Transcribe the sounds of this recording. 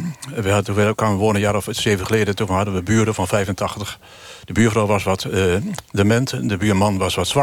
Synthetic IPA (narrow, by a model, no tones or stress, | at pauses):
ʋɛuʋɛlˠkʰanʋəʋoənənjaːrɔfəseːvənχəleːdətovənhadənʋəbyːdəfɔnfɛjvəntʰɑxtəx | d̥əbyːfrawʋasʋɔtdəmɛntdəbyːmɑnʋɔsʋɔtsʋa